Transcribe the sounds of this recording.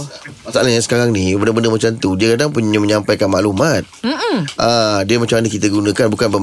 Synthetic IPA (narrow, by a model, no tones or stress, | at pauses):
maʔsaʔalajaŋsə̥kaɾaŋnibəndəbəndəmat͡ʃamt̪udiəkadaŋpuɲəməɲampajkanma̰ʔlumat̪̚ʔədiəmat͡ʃamanəkit̪əɡunə̃kanbukanbə